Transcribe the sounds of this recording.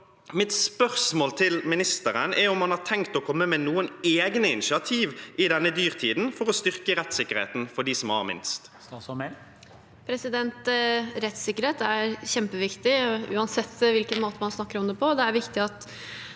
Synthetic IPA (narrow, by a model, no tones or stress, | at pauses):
mɪt̪spœʁsmoːlt̪ʰɪlmɪnɪst̪əʁənʔɛɾʊmhɑnhɑʁt̪ʰɛŋkt̪ɔkʰɔmːəmɛnuːəneːɡnəɪnɪʃɪɑt̪ʰiːʋɪd̪ɛnːəd̪yːʁt̪ʰiːd̪n̩fɔʁɔst̪ʏʁkəʁɛt̪sɪkːəɾhḛːt̪nfɔɖiːsɔmhɑ̰ʁmɪ̰nst̪sɑɔmɛ | pʰɾɛsɪd̪ɛnt̪ɾɛt̪sɪkːəɾheːt̪æɾçɛmpəʋɪkt̪ɪʉ̰ːɑnsɛt̪ːʋɪlkənmoːt̪əmɑnsnɑkːəɾɔmd̪ɛpʰɔd̪ɛæɾʋɪkt̪ɪɑt̪